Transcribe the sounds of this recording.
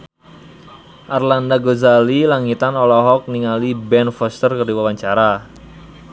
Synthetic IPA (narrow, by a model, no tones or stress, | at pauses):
ʔarlandaɡozalilaŋit̪anɔlɔɦɔk̚niŋalibɛnfɔst̪ərkərdiwawaɲt͡ʃaɾa